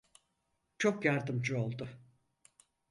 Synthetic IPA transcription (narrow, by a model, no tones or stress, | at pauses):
t͡ʃʰokjaɾd̪ɯmd͡ʒɯo̞lˠd̪ʊ